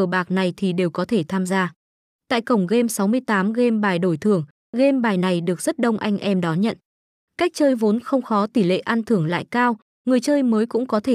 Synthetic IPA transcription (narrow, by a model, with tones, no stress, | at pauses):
əː˧˩ɓaː˨˩k̚na˨˩jt̪ʰi˨˩ɗe˨˩wkɔ˨˦t̪ʰe˧˩t̪ʰaː˧mzaː˧ | t̪a̰ː˧˨jkə˧˩wŋ͡mɣe˧msa˨˦wmɨ˧əjt̪aː˨˦mɣe˧mɓaː˨˩jɗo˧˩jt̪ʰɨ˧˩əŋ | ɣe˧mɓaː˨˩jna˨˩jɗɨ˨˩ək̚z̥ə˦˥t̚ɗə˧wŋ͡mʔa˧jŋ̟ʔɛ˧mɗɔ˨˦ɲə̰˧˨n | ka˦˥k̚t͡ɕəː˧jvo˨˦nxə˧wŋ͡mxɔ˨˦t̪i˧˩lḛ˧˨ʔa˧nt̪ʰɨ˧˩əŋla̰ː˧˨jkaː˧w | ŋɨ˨˩əjt͡ɕəː˧jməː˨˦jkʊ̰˧˥ŋ͡mkɔ˨˦t̪ʰe˧˩